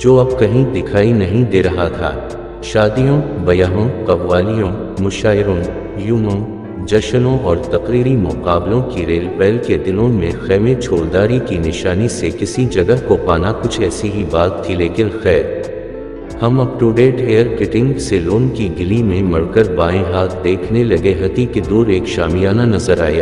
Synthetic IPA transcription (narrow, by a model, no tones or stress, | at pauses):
d͡ʒoːɐb̚kɐɦĩd̪ɪkʰaːinɐɦĩd̪eːɾɐɦat̪ʰa̰ː | ʃaːd̪ijõbɐjaːɦõqɐʋʋaːlijõ | mʊʃaːɪɾõ | juːmõ | d͡ʒɐʃənõʔɔːɾt̪ɐqɾiːɾimʊqaːblõkiɾeːlpɛːlked̪ɪlõmẽxɛːmet͡ʃʰoːɾd̪aːɾikinɪʃaːnisekɪsid͡ʒɐɡəɦkopaːnakʊt͡ʃʰɛːsiɦibaːt̪ʰːileːkɪnxɛːɾ | hɐmɐbʈuːɖeːʈeːəɾkɪʈɪ̃ŋɡseloːnkiɡɪlimẽmɐɽkəɾbaːẽɦaːt̪̚ʰd̪eːkʰnelɐɡeɦɐt̪iked̪uːɾeːkʃaːmijaːnanɐzəɾa̰ːjaː